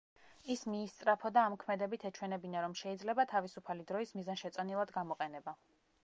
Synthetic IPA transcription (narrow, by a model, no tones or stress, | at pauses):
ismiːst̪sʼɾapʰɔd̪aːmɔkʰmɛd̪ɛbit̪ʰɛt͡ʃʰwɛnɛbinaɾɔmʃɛid̪zlɛbat̪ʰavisupʰalid̪ɾɔismizanʃɛt̪sʼɔnilˠad̪ɡamɔqʼɛnɛba